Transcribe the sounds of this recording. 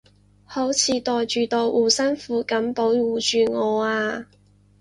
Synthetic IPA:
ho˨˥wt͡sʰiː˨˧t̪ɔː˨jt͡ʃyː˨˩t̪ɔː˨˧jʔuː˨˩sɐ˥nfuː˨˥kɐ˨˥mpo˨˥wwuː˨˧t͡ʃyː˨ŋɔː˨˧aː˧

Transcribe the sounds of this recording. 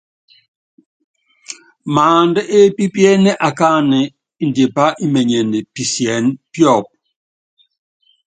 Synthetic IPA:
maː˨ndə˦ʔe˦pi˦pjɛ˦nɛ˦ʔa˨ka˦nɛ˨ | i˦n̩˨dje˨pa˦ʔi˦mɛ˨ɲɛ˨ne˨pi˨sjɛ˨˦npjɔ˦˨p̚

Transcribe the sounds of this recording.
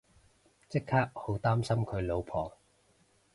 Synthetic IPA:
t͡sɪ˥kʰːaː˥k̚ho˨˥wt̪aː˥msɐ˥mkʰɵ˨˧ɥlo˨˧wpʰɔː˨˩ŋ

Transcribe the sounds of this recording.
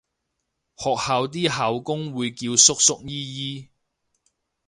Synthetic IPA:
hɔː˨k̚haː˨˧wt̪iː˥ɦaː˨wkʊ˥ŋwuː˨˧jkiː˧wsʊ˥k̚sʊ˥k̚jiː˥jiː˥

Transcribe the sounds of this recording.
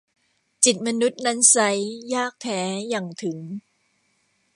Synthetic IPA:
t͡ɕi˨˩t̪̚ma˧nu˦˥t̪̚na˦˥nsa˦˥jːaː˥˩k̚t̪ʰɛː˦˥ja˨˩ŋt̪ʰɯ˩˦ŋ

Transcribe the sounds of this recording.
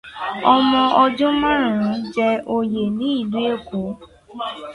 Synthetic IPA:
ɔ˧mɔ̃˧ʔɔ˧d͡ʒũ˦mã˦ɾ̃ũ˨ɾĩ˨˦d͡ʒɛ˧o˧je˨nĩ˨˦i˦˨lu˦e˦˨ko˨˦

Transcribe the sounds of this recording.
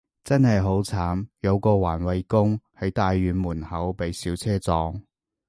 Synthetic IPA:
t͡sɐ˥nhɐ˨jɦo˨˥wt͡sʰaː˨˥mjɐ˨˧wkɔː˧waː˨˩nwɐ˨˧jkʊ˥ŋhɐ˨˥jt̪aː˨˧jːyː˨˧nmuː˨˩nhɐ˨˥wpe˨˧jsiː˨˥wt͡sʰɛː˥t͡sɔː˧ŋ

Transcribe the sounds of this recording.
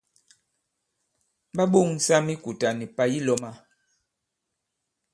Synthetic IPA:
ɓa˦ɓo˦˨ŋsa˦mi˦ku˨ta˨ni˨pa˨ji˦lɔ˨ma˦

